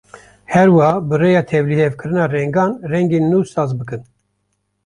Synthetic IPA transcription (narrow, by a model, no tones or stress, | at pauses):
hɛɾwɑhɑbɨreːjɑːt̪ʰɛvlihevkʰɨɾɨnɑːrɛŋɡɑːnrɛŋɡeːnːuːsɑːzbɨkɨn